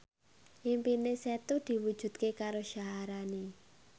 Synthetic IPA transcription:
ʔimpineset̪ud̪̥i̤wud̥ʒ̥ṳt̪̚kekaɾoʃaɦaɾani

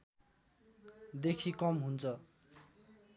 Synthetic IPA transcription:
d̪ekʰikʌmɦunt͡sʰʌ

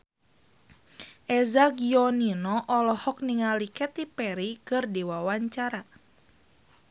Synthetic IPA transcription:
ʔɛzaɡiɔninɔʔɔlɔhɔk̚niŋalikɛt̪ipɛɾikɨrdiwawaɲt͡ʃaɾa

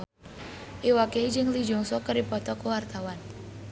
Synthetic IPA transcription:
ʔiwakeid͡ʒɨŋlid͡ʒɔŋsɔkəɾipɔt̪ɔkəwart̪awan

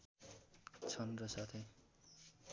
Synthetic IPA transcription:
t͡sʰʌnrʌsat̪ʰe

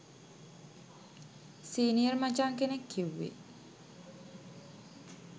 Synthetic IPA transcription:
siːniərmad͡ʒaːŋkenekʰːiwːḭ

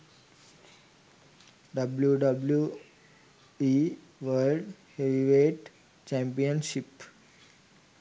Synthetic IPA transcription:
ɖɐbljuɖɐblju | i | ʋəlɖheʋiʋeːʈ | t͡ʃæ̃mpiə̃nʃip

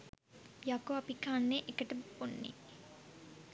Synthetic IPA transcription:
jakoapikaːnːeʔekəʈəponːḭ

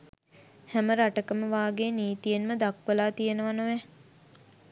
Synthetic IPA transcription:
hæməɾaʈəkəməʋaːɡeniːt̪ijenməd̪akʋəlaːt̪ijənəʋanəʋɛ

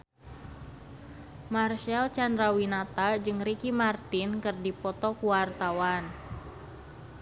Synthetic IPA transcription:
marʃalt͡ʃandɾawinat̪ad͡ʒɨŋrikimart̪inkɨrdipɔt̪ɔkuwart̪awan

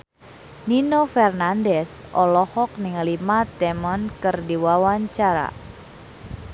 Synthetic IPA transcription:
ninofɛrnandɛsʔɔlɔhɔk̚nɪŋlimat̪ɛmɔnkɨrdiwawaɲt͡ʃaɾa̰

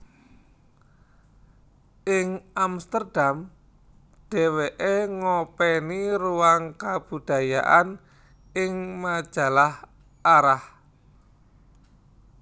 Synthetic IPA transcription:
ʔɪŋamst̪ərd̥am | ɖ̪̥e̤weʔeŋɔpɛniɾuwaŋkab̥ṳd̪̥ä̤ja̰ʔan | ɪŋmḁʒ̥a̤lah | aɾah

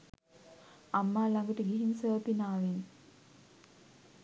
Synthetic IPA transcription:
amːaːlaŋɡəʈəɡiɦinsəːpinaːʋin

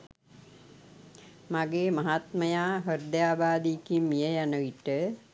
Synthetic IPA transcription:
maɡeːmaɦat̪məjaːɦəɾd̪jaːbaːd̪ikimːijəjanəʋiʈə

